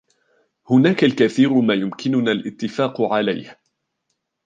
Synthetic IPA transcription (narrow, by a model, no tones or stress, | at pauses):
hʊnaːkalkaθiːɾʊmaːjʊmkɪnʊnaːlʔɪt̪ːɪfaːqʊʕalajh